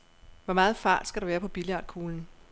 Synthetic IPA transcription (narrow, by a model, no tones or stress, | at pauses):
ʋɒmɑ̈ːð̞̩ˠfɑ̈ːd̥sɡ̥æɾ̥ɑʋæːɐpʰɒ̽b̥iliɑ̥̈ːkʰuːln̩